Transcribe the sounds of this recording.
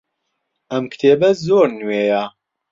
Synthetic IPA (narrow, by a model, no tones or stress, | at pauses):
ɐmkt̪ʰeːbɐzoːɾnweːjɐ